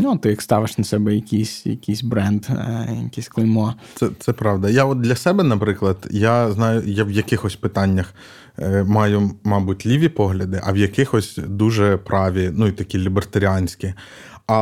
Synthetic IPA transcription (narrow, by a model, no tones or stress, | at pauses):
nut̪ɪjɐkst̪ɑʋɪʃnɐsɛbɛjɐkʲisʲjɐ̰kʲisʲbɾɛnd̪jɐkʲisʲklˠɪlʲmɔt̪sɛt̪sɛpɾɑʋd̪ɐjaɔt̪̚d̪lʲɐsɛbɛnɐpɾɪklˠɐd̪jaznɑjʊjɛwjɐkɪxɔsʲpɪt̪ɑnʲːɐx | mɑjʊmɑbʊtʲlʲiʋʲipɔɦlʲɐd̪ɪʔɐwjɐkɪxɔsʲd̪uʒɛpɾɑʋʲinuit̪ɐkʲilʲibert̪ɐɾʲiɑnʲsʲkʲi | ɐ